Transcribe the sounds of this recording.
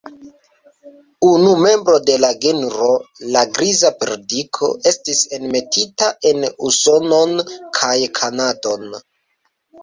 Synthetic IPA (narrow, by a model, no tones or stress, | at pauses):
unume̞mbɾo̞de̞laɡenɾo̞laɡɾizapɾedikʰo̞̰ʔe̞stise̞nme̞titaʔe̞nuso̞no̞nkʰajkʰanado̞n